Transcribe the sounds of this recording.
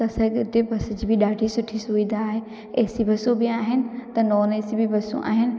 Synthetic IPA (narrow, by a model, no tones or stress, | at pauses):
ɐsɐɡʊt̪ebʱɐsʊd͡ʑiːbʱɪɗaːɖʱisʊʈʰisʊʋid̪aːɦe | eɦsibʱɐsobʱɪaːɦɪnɪ̆t̪ɐnɔːneːsibʱɪbʱɐsṵ̃ʔa̰ːɦɪnɪ̆